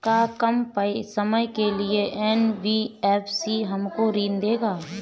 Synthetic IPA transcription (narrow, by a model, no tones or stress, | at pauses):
kakəmpəesəməjkelieʔɛnʋiɛːpʰsiɦəmkoɾiːnd̪eːɡaː